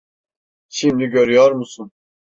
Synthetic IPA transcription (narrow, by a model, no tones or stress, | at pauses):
ʃimd̪iɟøɾyjɔɾmusun